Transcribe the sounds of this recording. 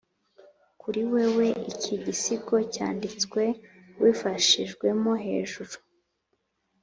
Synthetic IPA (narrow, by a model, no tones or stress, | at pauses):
kuɾiwe̞we̞ʔicʰiɟisiko̞ca̰ːndit͡skwe̞ | wifaʃiʒɡwe̞moɦe̞̰ːʒuɾu